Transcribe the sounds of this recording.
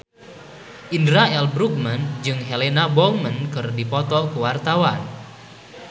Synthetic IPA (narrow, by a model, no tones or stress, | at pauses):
ʔindɾaɛlbɾuk̚mənd͡ʒɨŋɦelenabɔmənkɨrdipɔt̪ɔkuwart̪awan